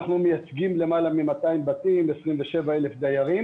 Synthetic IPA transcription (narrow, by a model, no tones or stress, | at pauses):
aχnumejat͡sɡimle̞malamimat̪aimbat̪imesʁimveʃe̞vae̞le̞fd̪ajaʁim